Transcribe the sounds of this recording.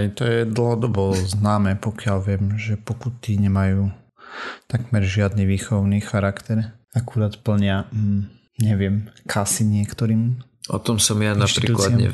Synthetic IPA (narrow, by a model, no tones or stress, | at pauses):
ɛjt̪ɔjɛd̪l̩ɦɔd̪ɔbɔznaːmɛːpɔkɪalʋɪɛmʒɛpɔkut̪iɲɛmajuː | t̪aɡmɛɾʒɪad̪niʋiːxɔʊniːxaɾakt̪ɛɾakuɾaːt̪pl̩ɲɪa | ɲɛʋɪɛmkʰasiɲɪɛkt̪ɔɾiːm | ʔɔ̰t̪ɔmsɔmjanaʃp̪ɾḭt̪uːklaɪaɲɛ̰